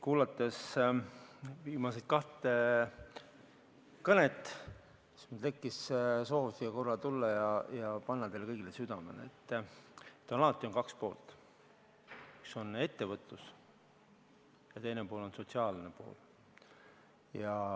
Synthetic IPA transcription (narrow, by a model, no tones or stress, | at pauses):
kuːlɑt̪ːˑes | viːmɑset̪̚kɑht̪e | kɤnet̪ːˑ | smud̪le̞kːisso̞ːvust̪iɡɑko̞rːɑt̪ulːɑjɑjɑpɑnːɑt̪e̞jlkɤjɡilesyd̪̥ɑme̞̰lḛːt̪ːt̪ːˑonɑlɑt̪ˑːio̞nkɑkspo̞̰ːlt̪ | iso̞ne̞t̪ːe̞vɤt̪ːˑus | jɑt̪e̞jnepo̞ːlo̞nso̞t̪siɑːlne̞po̰ːl | jɑ